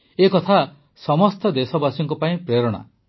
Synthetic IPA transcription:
ekɔt̪ʰa | sɔmɔst̪ɔd̪esɔbasɔŋkɔpaĩpɾeɾɔɽ̃a̰

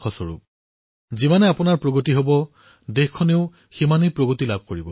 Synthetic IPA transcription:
ɔsɔɹṵp̚ | zimanɛapʊnaɹpɹoɡotiɦobɔ | dexkʰːɔneʊ | ximanipɹoɡotilab̚ʱkoɹibɔ

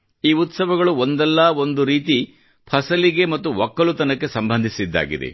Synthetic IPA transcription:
iːut̪sɐʋɐɡɐɭuond̪ɛlːɐːo̞nd̪uɾiːt̪̬i | pʰɐsɐliɡe̞mɐt̪ːuʋɔkːɐlut̪ɐnɐkːe̞sɐmbʱɐnd̪ʱisid̪ːa̰ːɡḭd̪ḛ

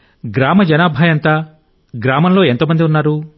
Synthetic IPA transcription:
ɡɾaːmɐd͡ʒɐnaːbʱaːjɐnt̪aː | ɡɾaːmɐnlo̞ːe̞nt̪oːmɐnd̪iunːaːɾu

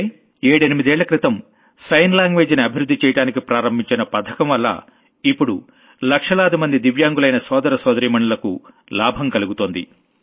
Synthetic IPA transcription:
eːɽenimid̪ɛːɭːɐkɾit̪ɐm | sɐjnlaːŋɡʋeːd͡ʒiniɐbʱiɾud̪ʱːit͡ʃɛːjɐʈaːnikipɾaːɾɐmbʱiɲt͡ʃinɐpɐt̪ʰɐ̥kɐmʋɐlːɐ̰ | ipːuɽu | lɐkʂɐlaːd̪imɐnd̪id̪iʋjaːŋɡulɐjnɐsɔːd̪ɐɾɐsɔːd̪ɐɾiːmɐɳulɐkṵ | laːbʱɐmkɐluɡut̪oːnd̪ḭ

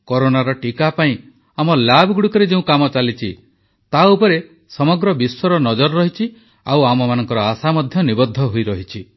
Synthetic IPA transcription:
koɾonaɾɔʈikapaĩ | amɔlabɔɡuɽukɔɾed͡ʒeũkamɔt͡ʃalit͡ʃʰi | t̪aupɔɾe | sɔmɔɡɾɔbiswɔɾɔnɔd͡ʒɔɾɾɔɦit͡ʃʰi | a̰wamɔmanɔŋkɔɾɔasamɔd̪ʱjɔnibɔd̪ʱːɔɦoiɾɔɦit͡ʃʰi

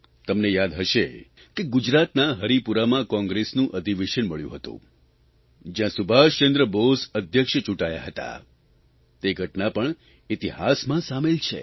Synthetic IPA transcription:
t̪əmnejad̪ɦəʃe | keɡʊd͡ʒɾat̪naɦəɾipuɾamãkɔ̃ŋɡɾesnũʔəd̪ʱiʋeʃənməɭjṵ̃ɦət̪ṵ̃ | d͡ʒjãsubʱaʃẽnd̪ɾəbosəd̪ʱjəkʃət͡ʃũʈaja̰ɦət̪a̰ | t̪eɡʱəʈnapəɳ | it̪iɦasmãsamelt͡ʃʰḛ

